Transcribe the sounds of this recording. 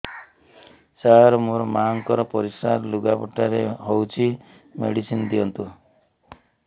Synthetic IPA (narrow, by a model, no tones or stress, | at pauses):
saaɾɔmoɾɔmaŋkɔɾɔpɔɾisaɾluɡapɔʈaɾeɦowt͡ʃʰi | mḛɽisind̪iɔnt̪u